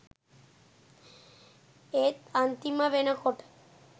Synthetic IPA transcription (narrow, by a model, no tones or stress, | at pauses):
et̪ant̪imaβenakoʈ